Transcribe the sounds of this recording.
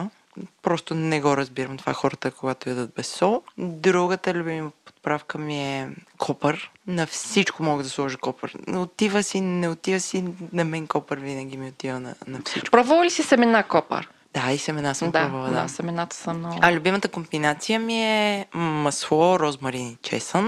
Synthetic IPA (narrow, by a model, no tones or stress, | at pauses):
pɾɔst̪ʊnɛɡɔɾɐzbiɾəmt̪ova̰xɔɾət̪əkoɡat̪oɛd̪ət̪̚bɛsɔd̪ɾuɡət̪əlʲʊbimiməpo̥t̪̚pɾafkəmiɛkʰɔpəɾnɐfsit͡ʃkomɔɡəd̪ɐslˠɔʒikɔpə̰ɾot̪ivəsinɛot̪ivəsinɐmɛŋkɔpəɾvinɐɡ̟ʲimiot̪ivənɐ̰nɐfsit͡ʃkpɾɔvəvˠəlisisɛmɛnakɔpə̰ɾ | d̪aisɛmɛnasəmp̪ɔvəlˠəd̪a̰sɛmɛnat̪ə̥səmnɔɐlʲʊbimət̪əkombinat̪sijəmiɛmɐsvɔɾɔzmɐɾinit͡ʃɛ̰sən